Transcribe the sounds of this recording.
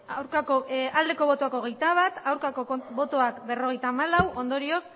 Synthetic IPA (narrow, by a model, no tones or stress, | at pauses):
awɾkakoald̪e̞ko̞β̞o̞t̪oako̞ɣe̞jt̪aβ̞at̪awɾkako̞oβo̞t̪oakbe̞ro̞ɣe̞jt̪aːmalawʔo̞nd̪o̞ɾio̞s